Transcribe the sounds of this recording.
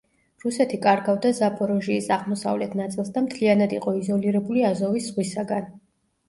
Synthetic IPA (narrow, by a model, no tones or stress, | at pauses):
ɾusɛt̪ʰikʼaɾɡavd̪azapʼɔɾɔʒiːsaʁmɔsa̰vlɛt̪ʰnat̪sʼilˠsd̪amt̪ʰlianad̪iqʼɔizɔliɾɛbuliazɔvisz̥ʁwisaɡan